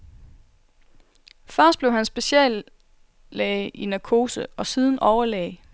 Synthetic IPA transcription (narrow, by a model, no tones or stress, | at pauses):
fɶɐ̰sd̥̚b̥leʊɦænsb̥e̝ɕɛ̰lː | ɛɪʔinækʰo̝ːsəɒ̽siːð̞ˠn̩ʔɒʊɐlɛ̰ːɪ